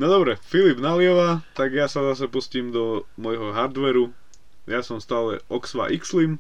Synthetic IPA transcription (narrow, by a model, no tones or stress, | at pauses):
nɔd̪ɔbɾɛfilibnalɪɛʋat̪aɡjasazasɛpusciːmd̪ɔmɔjɦɔɦaɾd̪ʋɛɾu | jasɔmst̪aːlɛ̰ʔɔksʋa̰ʔikslim